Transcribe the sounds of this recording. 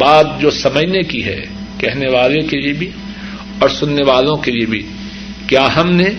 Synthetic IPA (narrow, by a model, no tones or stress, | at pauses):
baːt̪̚d͡ʒoːsɐməd͡ʒnekiɦɛ̰ | kɛɦneʋaːlẽkeliebʱi | ɔːɾsʊnːeʋaːlõkeliebʱḭ | kjaːɦɐmne